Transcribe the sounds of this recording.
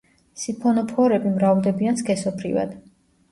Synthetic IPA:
sipʰɔnɔpʰɔɾɛbimɾavlˠd̪ɛbianskʰɛsɔbʰɾḭva̰d̪̥

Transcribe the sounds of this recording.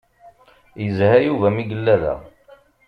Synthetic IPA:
jəzhæjuvæmiɡəlːæðæ̰

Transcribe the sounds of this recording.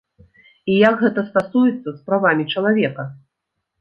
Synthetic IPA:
ijɐɡɣɛt̪ɐst̪asujɛt̪sːɐspɾavamʲit͡ʂɐlˠavʲɛkɐ

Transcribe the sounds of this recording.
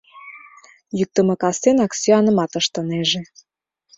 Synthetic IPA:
jyk̚t̪ə̆mɤ̆kɑst̪enɑksyɑnə̆mɑt̪əʃt̪ə̆neʒe

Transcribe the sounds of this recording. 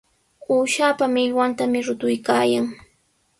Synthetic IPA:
uːʃaːpamɪʎwant̪amɪɾʊt̪ʊjkaːjaŋ

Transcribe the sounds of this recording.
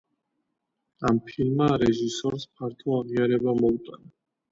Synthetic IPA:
ampʰilmaɾɛʒisɔɾspʰaɾt̪ʰɔaʁiaɾɛbamɔut̪ʼana

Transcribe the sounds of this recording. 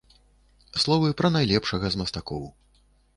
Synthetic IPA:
slˠɔvɨpɾɐnajlʲɛpʂɐɣɐzmɐst̪akɔw

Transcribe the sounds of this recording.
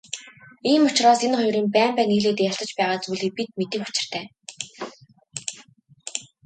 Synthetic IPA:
iːmʊt͡ɕrɔːsenχʊjɾiːmpæːmpæːŋiɣɮeːt̪eːjaɬt̪ə̆t͡ɕpæːʁaːt͡suːɮiːk̚pit̪̚met̪ɘ̆kʊ̥t͡ɕɪ̆r̥t̪ʰæː

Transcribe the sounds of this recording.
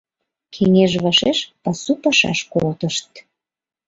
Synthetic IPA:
kʰeŋeʒβɑʃeʃpɑsupɑʃɑ̰ʃkolt̪əʃt̪

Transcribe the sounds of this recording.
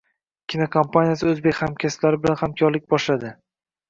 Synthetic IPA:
kʲʰɪnokʰompʰanijas̬ɪɵzbekʲhamkʲʰaslaɾɪbɪlanhamkʲʰɒɾlɪk̚ʲbɒʃlad̪ɪ

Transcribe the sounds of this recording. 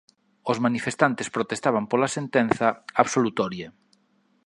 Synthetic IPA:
ozmanifest̪ant̪espɾot̪est̪aβ̞ampolasent̪enθɐaβsolut̪ɔɾje

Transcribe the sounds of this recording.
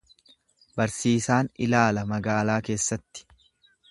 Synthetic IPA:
bɐɾsiːsaːnɪ̰laːlɐmɐɡaːlaːke̞ːsːɐt̪ːɪ̥

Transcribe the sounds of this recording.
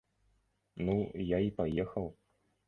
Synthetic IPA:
nujaipajɛxɐw

